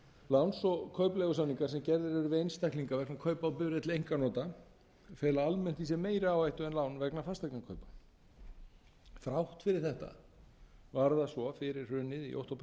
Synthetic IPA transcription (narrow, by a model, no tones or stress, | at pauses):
lawnsɔkʰœɥplɛɣʏsawniŋkaɾ̥sɛmcɛɾðɪɾɛɾvejnst̪ahkliŋkavɛknakʰœɥpawpʏvɾɪɛt̪lejŋkanɔːt̪a | fɛːlaalmɛn̥t̪isɛmeːjɾɪaːwajht̪ʏɛnlawnvɛknafast̪ajknakʰœɥpḁ | fɾawht̪fɪɾɪɾ̥θɛht̪a̰ | vaɾðasvɔfɪɾɪɾ̥r̥ʏːnɪðḭʔo̰wht̪owp